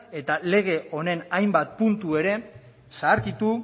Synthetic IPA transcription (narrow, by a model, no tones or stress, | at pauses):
e̞t̪ale̞ɣ̞e̞ʔo̞ne̞najmbat̪̚punt̪ue̞ɾe̞ | saːɾkit̪u